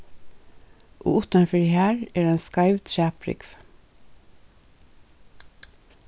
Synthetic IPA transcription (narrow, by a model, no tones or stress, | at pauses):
ʔo̰ːʊt̪ənfʏɹhæːɹeːɹeːnskɑɪʋt̪ʰʃæːpɾʏ̰ɡʋ